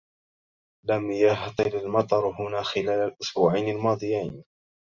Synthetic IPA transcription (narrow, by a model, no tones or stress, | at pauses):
lamjaht̪ˤɨlalmɑt̪ˤɑɾˤɦʊnaːxɪlaːlalʔʊsbuːʕajnalmɑːd̪ˤɨjajn